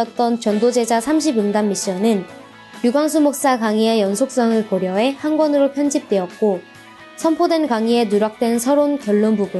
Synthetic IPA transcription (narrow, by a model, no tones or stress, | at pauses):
ʌt̚t͈ʌnt͡ɕʌndod͡ʑe̞d͡ʑasʰamɕʰibɯŋdamːiɕ͈ʌnɯn | juɡwaŋsʰumok̚s͈akaŋiejʌnsʰok̚s͈ʌŋɯɭkʌɾjʌɦe̞hanɡwʌnɯɾopʰjʌnd͡ʑip̚t͈we̞ʌt̚k͈o | sʰʌmpʰodwenkaŋie̞nuɾak̚t͈we̞nsʰʌɾonkjʌɭːonbuɡu